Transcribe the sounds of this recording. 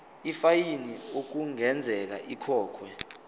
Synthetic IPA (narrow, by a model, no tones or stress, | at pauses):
ifajiniok̬uŋɛnd͡zʱɛk̬a̰ʔikʰɔːkʰwɛ